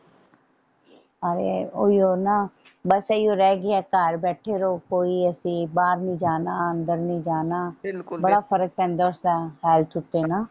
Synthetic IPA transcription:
əɾḛːoːioːnaː | bəseioːɾɛːɡɪɛːkaːɾbɛːʈʰeːɾoːkoːiːəsĩːbaːɾnĩːd͡ʒaːnaːənd̪əɾnĩːd͡ʒaːnaːbəɽaːpʰəɾək̚pɛ̃ːnd̪aːʊsd̪aːɦɛːlt̪ʰʊt̪ːeːnaː

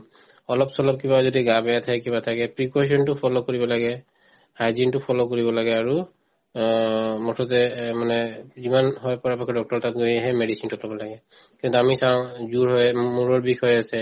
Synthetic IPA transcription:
ɔlɔpsɔlɔp̚kibazodiɡabɛjatʰakɛkibatʰakɛpɹikɔs̬ɔntʊpʰɔlokoɹibɔlaɡɛ | hajzintʊpʰɔlokoɹibɔlaɡɛaɹu | mɔtʰɔtɛmanɛzimanɦɔjpɔɹapakʰɔdɔk̚tɔɹtat̚ɡojaɦɛmedisintɔlɔbɔlaɡɛ | kĩntuamisãʊ̃zuɹɦojmuɹɔɹbixʰɔjasɛ

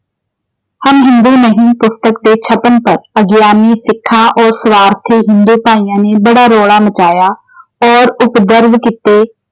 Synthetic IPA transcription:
həmɦɪ̃nd̪uːnəɦĩːpʊst̪əkd̪eːt͡ʃʰəpənpəɾəɡjaːniːsɪkʰːãːʔɔːɾsəʋaːɾt̪ʰeːɦɪnd̪uːpaːiːjãːneːbəɽaːɾoːɽaːmət͡ʃaːjaː | ɔːɾʊpd̪əɾbkit̪eː

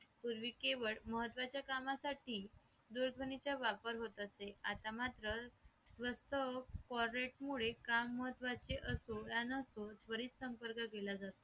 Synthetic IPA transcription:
puɾʋiːkeʋəɭməɦət̪ʋat͡ɕjakamasaʈiː | d̪uɾd̪ʱʋənit͡ɕjaʋapəɾɦot̪əseat̪amat̪ɾə | sʋəst̪ʰəkɔɾɾeʈmuɭekamːəɦət̪ːʋat͡seʔəsojanəsot̪ʋəɾiːt͡ssəmpəɾkakelad͡zat̪o

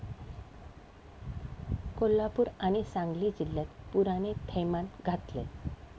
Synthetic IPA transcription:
kolːapuːɾaɽ̃isãŋɡlid͡ʑilːjat̪puɾanet̪ʰejmanɡʱat̪lḛ

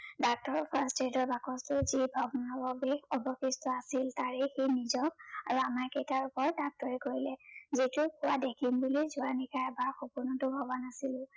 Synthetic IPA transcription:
dak̚tɔɹɔpʰastedɔɹbakɔstʊzibʱɔbɔnɔbɔbeɔbɔkistɔasiltaɹɛxenizɔkaɹuamaɹkejtaɹupɔɹdak̚tɔɹɛkoɹilɛzitʊkʊwadekʰimbulizʊanikajɛbaɹxopʊnɔtʊbʱɔbɔnasilʊ̃

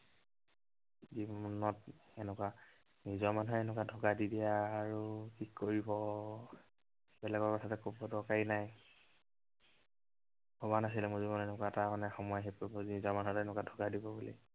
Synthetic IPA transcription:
ziɔnɔtɛnɛkwa | nizɔmanuɦɛɛnɛk̬wadʱokadidijaːɹutʰikʰːoɹibɔ | bɛlɛɡɔɹkɔtʰatɛkobɔdɔkainaj | bɔbanas̬ilɛmʊzibɔnɛnɛkwatamanɛxɔmɔjaɦep̚kɔɹibɔzinizɔɹmanuɦɛtɛnɛkwadʱokadibɔbulḭ

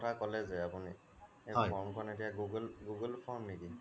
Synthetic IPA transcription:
ɔtʰakɔlɛzɛapuni | ejɔjɔɹmkʰɔɔnetijaɡuɡlɡuɡəlpʰɔɹmniki

